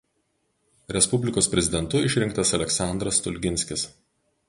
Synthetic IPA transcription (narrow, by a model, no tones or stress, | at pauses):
ɾʲɛspʊbʲlʲɪkoːspʲɾʲɛzʲɪd̪ʲɛnt̪ʊɪʃʲɾʲɪŋk̚t̪ɐsɐlʲɛksɑˑnd̪ɾɐst̪ʊlʲɡʲɪnʲsʲkʲɪs